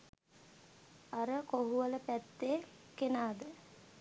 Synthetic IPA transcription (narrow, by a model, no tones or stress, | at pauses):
aɾəkoɦuələpæt̪ːekenaːd̪ə